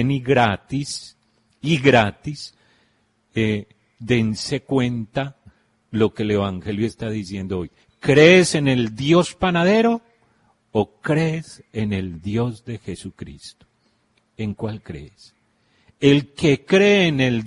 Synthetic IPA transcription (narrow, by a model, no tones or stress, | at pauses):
eniɣɾat̪is | iɣɾat̪is | e | d̪e̞nse̞kwe̞nt̪a | lo̞ke̞le̞βaŋxe̞ljoest̪aðisje̞nd̪ooj | kɾeːse̞ne̞ld̪jo̞spanaðe̞ɾo̞ː | kɾese̞ne̞ld̪jo̞zd̪e̞xe̞sukɾḭst̪o̥ | e̞ŋkwalkɾḛs | elke̞kɾe̞ːne̞l